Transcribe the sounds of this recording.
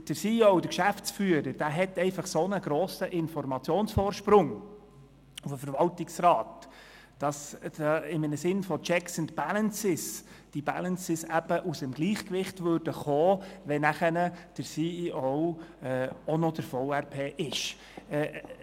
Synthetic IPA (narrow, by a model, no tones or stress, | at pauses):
d̥əɾsiːɔʊd̪əɾkʃæft͡sfyːəɾəɾd̥æːɦɛtɛɪfɑχsonəɡ̥ɾoːsəʔɪnfɔɾmɑt͡sjoːnsfɔːɾʃpɾʊŋ | ufəfəɾʋɑltɪksrɑːtː | ɑsd̥ɑɪmənəsɪnfɔt͡ʃɛksənt̪b̥ælənsɪsd̥ibælənsɪsæb̥əʔusəmɡ̥liːχkʋɪχtʋøːɾd̥əχoːʋɛnæχənəd̥əɾsiːiɔwɛːɔnɔd̥əɾfɔʊæɾpʰeːʔɪʃ | ɛː